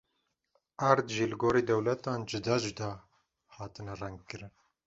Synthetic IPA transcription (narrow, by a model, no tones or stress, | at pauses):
aɾd̪ʒiːlɨɡoːɾeːd̪ɛwlɛt̪ɑːnd͡ʒɨd̪ɑːd͡ʒɨd̪ɑː | hɑːt̪ɨnɛrɛŋɡ̚kɨɾɨn